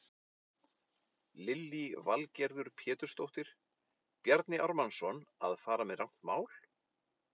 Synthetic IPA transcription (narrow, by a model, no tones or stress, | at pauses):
lɪlːivalcɛɾðʏɾpʰjɛːt̪ʏ̥st̪owht̪ɪɾ̥ | pjaɾt̪nɪʔaɾmansɔna̰ðfaːɾamɛðrawŋ̥t̪maːwl